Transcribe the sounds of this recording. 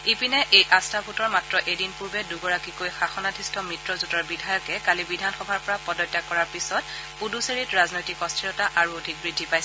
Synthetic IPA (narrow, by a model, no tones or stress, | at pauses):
ipinɛʔejʔastʰapʰutɔɹmatɹɔʔedinpuɹbɛduɡɔɹakikojxaxɔnadʱistʰɔmɹitɹɔzutɔɹbidʱajɔkɛkalibidʱanxɔbʱaɹpɔɹapɔdɔjtːakɔɹaɹpisɔt̚ | puduseɹitɹaznojtikɔstʰiɹɔtaʔaɹuodʱik̚bɹidʱːipajsɛ